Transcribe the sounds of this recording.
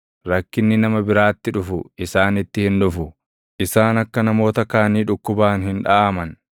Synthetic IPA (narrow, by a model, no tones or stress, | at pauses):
ɾɐkːɪnːɪnɐmɐbɪɾaːt̪ːɪᶑʊfʊʔɪsaːnɪt̪ːɪhɪnᶑʊfʊ | ʔɪsaːnɐkːɐnɐmo̞ːt̪ɐkaːniːᶑʊkːʊbaːnhɪnᶑaːmɐn